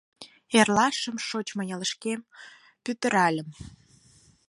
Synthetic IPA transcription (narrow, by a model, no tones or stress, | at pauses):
erlɑʃəmʃot͡ɕməjɑləʃkem | pyt̪ə̆ɾɑlʲəm